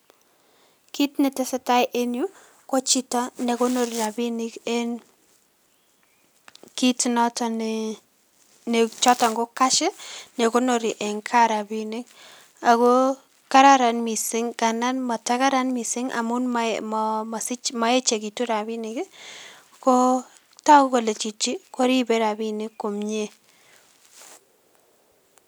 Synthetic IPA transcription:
ki˦tnɛ˨tɪ˦sɛ˦ta˦ɪʔe˦nju˦ | ko˦t͡ʃi˦tɔ˦ne˨ko˦no˨ɾi˨ɾa˨bi˦nɪ˦ke˦n | ki˦tnɔ˦tɔ˨n | ne˨t͡ʃɔ˦tɔ˨ŋɡo˦ka˦ʃɪ˦ne˨ko˦no˨ɾi˨ʔe˨ŋkʰa˦ɾa˨bi˦nɪ˦k̚ | a˨ko˦ | ka˦ɾa˦ɾa˨nmi˨sɪ˦ŋka˨na˦nma˨ta˦ka˦ɾa˦nmi˨sɪ˦ŋa̰˨mʊ˦nmmm˨sɪ˦ma˨e˦t͡ʃe˨ki˨tu˦ɾa˨bi˦nɪ˨kɪ˦ | ko˦ | tɔ˦ko˦ko˨le˨t͡ʃi˨t͡ʃːi˦ko˦ɾi˦be˦ɾa˨bi˦nɪ˦kːo˨mɲe˦

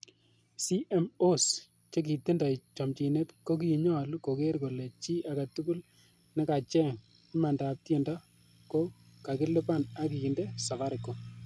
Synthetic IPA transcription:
si˦ʔe˦mo˦s | t͡ʃe˦k̬i˨te˦nda˨t͡ʃɔ˨mt͡ʃi˨ne˦tko˦k̬i˦˨ɲɔ˦˨lu˦ko˨ke˦ɾko˨le˨t͡ʃi˦ʔa˨ɡa˨tu˦ku˦l | nɛ˦ka˨t͡ʃɛ˦ŋ˦ | ma˨nda˨p̚tje˨nda˦ | ko˦ | ka˨kɪ˦lɪ˦pa˦˨na˦ki˨kɪ˨nde˦sa˨va˦ɾɪ˨kːo˨

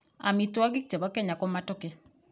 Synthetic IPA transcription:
a̰˨mi˨twa˦ɡi˦k̚t͡ʃɛ˨βɔ˦kɛ˦ɲa˨kɔ˦ma˦tɔ˦kɛ˦

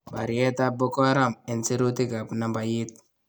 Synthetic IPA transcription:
ba˨ɾi˨e˦ta˦bo˦kɔ˦ɾa˦me˨nsi˦ɾu˦ti˦ka˨pna˨mba˨ji˦t̪̚

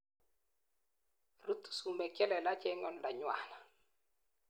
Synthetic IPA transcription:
ru˦t̪u̥˨su˨mɛ˨kɛ˦lɛ˨la˦t͡ʃɛ˦ŋɔ˨nda˨ɲwa̰˦na˨

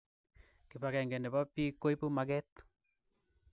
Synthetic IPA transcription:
ki˨pa˨kɛ˨ŋɡɛ˨ndɛ˨pa˦pi˦ko˦i˦pu˦ma˨ɡɛ˦t̪

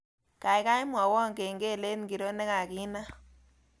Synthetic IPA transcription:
ka˨jka˦jmwa˨wɔ˦ŋke˨ŋɡe˦˨le˦nŋɡi˨ɾo˦ne˦ka˨ki˦na˦

